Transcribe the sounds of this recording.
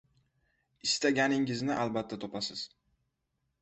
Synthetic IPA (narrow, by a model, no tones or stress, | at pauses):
ɪst̪aɡʲanɪŋɪznɪʔalbat̪ʰːat̪ʰopʰasɪz̥